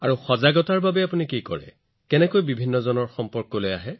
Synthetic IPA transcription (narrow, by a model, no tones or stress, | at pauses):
aɹuxɔzaɡɔtaɹbabɛapunikikɔ̰ɹɛ̰ | kɛnɛkojbibʱinːɔzɔnɔɹxɔmpɔɹkːɔlojaɦɛ